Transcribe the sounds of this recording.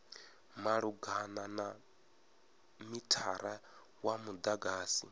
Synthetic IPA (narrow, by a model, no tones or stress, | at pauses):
maɺuɡanana | mitʰaɾa | wamud̪aɡaːsi